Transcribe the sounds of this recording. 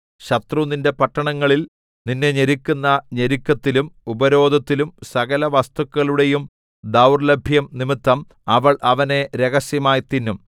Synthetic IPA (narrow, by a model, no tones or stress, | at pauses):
ɕɐt̪runinde̞pɐʈːɐɳɐŋːɐɭil | ninːeɲeɾikʲːunːɐɲeɾikʲːɐt̪ːilumubɐɾo̞ːd̪ʱɐt̪ːilumsɐɣɐlɐʋɐst̪ukːɐɭuɽe̞jum | d̪ɐwrlɐbʱjɐmnimit̪ːɐm | ɐʋɐɭʔɐʋɐne̞ɾe̞ɣɐsjɐmaːjt̪inːum